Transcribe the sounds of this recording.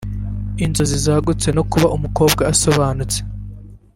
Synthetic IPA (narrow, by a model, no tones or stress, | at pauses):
inzozizaːɡut͡se̞no̞kuβaʔumuko̞ːbɡaːso̞βaːnut͡se